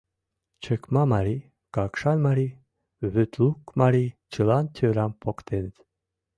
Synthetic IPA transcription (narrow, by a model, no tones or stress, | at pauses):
t͡ɕʰəkmɑmɑɾi | kɑkʃɑnʲmɑɾi | βøt̪lukmɑɾʲit͡ɕʰəlɑnt̪ʰøɾɑmpʰokt̪ʰent̪